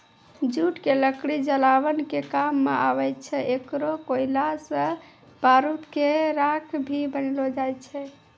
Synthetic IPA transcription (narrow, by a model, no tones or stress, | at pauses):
d͡ʒuʈkeləkɽid͡ʒəlaʋənkekamːeʔaʋətt͡ʃʰɛʔekɾokoilasə̃ | b̥aɾut̪keɾakʰbʱibənlod͡ʒaj̪t͡ʃʰɛ